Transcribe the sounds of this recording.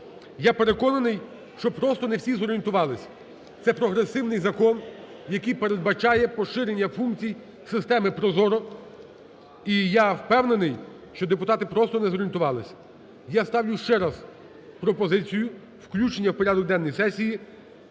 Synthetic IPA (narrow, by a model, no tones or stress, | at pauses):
jape̞ɾe̞kɔnɐnɪj | ʃt͡ʃɔpɾɔst̪ɔnewsʲizɔɾʲient̪ʊʋɑlˠɪsʲɐ | t̪sɛpɾɔɦɾesɪwnɪjzɐkɔn | jɐkɪjpeɾe̞d̪̚bɐt͡ʃajɛpɔʃɪɾe̞nʲːɐfuŋkt͡sʲij | sɪst̪ɛmɪpɾɔzɔɾɔ | ijawpɛwne̞nɪj | ʃt͡ʃɔd̪epʊt̪ɑt̪ɪpɾɔst̪ɔnɛzɔɾʲint̪ʊʋɑlˠɪsʲɐ̥ | jast̪ɑwlʲʊʃt͡ʃɛɾaz | pɾɔpɔzɪt͡sʲijʊ | wklʲut͡ʃenʲːɐwpɔɾʲad̪ɔk̚d̪ɛnːɔjsɛsʲiji